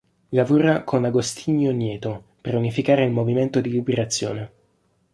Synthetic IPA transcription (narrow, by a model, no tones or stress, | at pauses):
lavuːɾakʰonaɡost̪ʰiɲːonjɛːt̪o | peɾunifikaːɾeilmoviment̪od̪ilibeɾat̪sːjo̰ːne